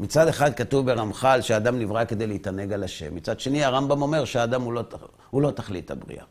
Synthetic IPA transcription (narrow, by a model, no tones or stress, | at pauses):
mit͡sad̪e̞χad̪̚katuvbe̞ʁamχalʃead̪amnivʁake̞d̪ejleit̪ane̞ɡalaʃe̞̰mːit͡sad̪ʃe̞niaʁambamo̞me̞ʁʃeaːd̪amulo | hulo̞t̪aχlit̪a̰bʁḭʔa̰